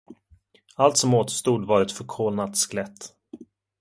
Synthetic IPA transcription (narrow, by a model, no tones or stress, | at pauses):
alt̪sɔmoːt̪st̪uːd̪vɑɾɛt̪fœɾkʰoːlnat̪sklɛt̪ː